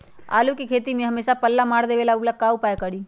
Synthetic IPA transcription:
a̰ːlukekʰeːt̪imẽɦəmeːsapəlːamaːɽd̪eʋelauklakaːupaekəɽi

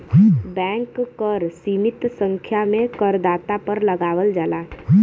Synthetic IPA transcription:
bɛ̃ːŋkːəɾsiːmɪt̪sə̃ŋkʰjamẽkəɾd̪aːt̪apəɾləɡaːʋəld͡ʒaːlaː

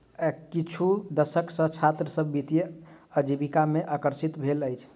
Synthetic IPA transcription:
kit͡ʃʰud̪əsəksə̃t͡ʃʰat̪ɾəsəbːit̪ijeəd͡ʒibikameʔakəɾsit̪bʱeləjt͡ʃʰ

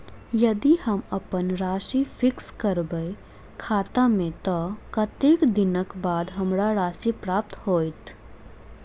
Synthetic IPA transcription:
jɐd̪ihəmɐpənɾaːʃifʰɪkskəɾbəe | kʰaːt̪amẽt̪ɔkɐt̪eːkd̪ɪnəkbaːd̪ɦɐmɾaɾaːʃipɾaːp̚t̪hoːit̪

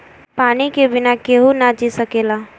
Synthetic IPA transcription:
paːnikebɪnakeɦunad͡ʒisəkeːlaː

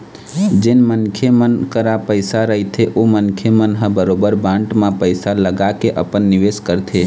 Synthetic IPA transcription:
d͡ʒɪnmənkʰemənkəɾapəɪsaɾəɦit̪ʰeʔomənkʰemənɦə̃bəɾoːbəɾbãːɳʈmãpəɪsaləɡakeʔə̰pənːɪʋeːskəɾt̪ʰe

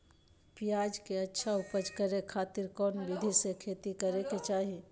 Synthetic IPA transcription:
pijaːd͡ʒkeɐtːʃʰaʊpəd͡ʒkəɾekʰaːt̪ɪɾkɔːnbɪd̪ʱisekʰeːt̪ikəɾeket͡ʃaːɦi

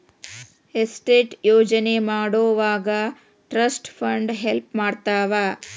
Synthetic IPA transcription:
esʈeːʈjoːd͡ʒɐnemaːɽoːʋaːɡɐ | ʈɾɐsʈpʰɐɳɖɦelp̚maːɽt̪aːʋaː

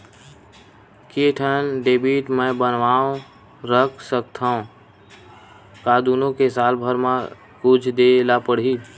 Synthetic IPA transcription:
keʈʰənɖeːbiːʈmɛ̃bənʋaːõ | ɾəkʰsək̚t̪ʰaõ | kaːd̪uːnõkesaːlbʱəɾmã | kud͡ʒʰd̪elapəɽ̤iː

